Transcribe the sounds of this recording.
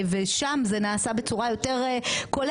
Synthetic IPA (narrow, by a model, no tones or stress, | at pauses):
veʃamzenaːsabet͡suʁajo̞te̞ʁekol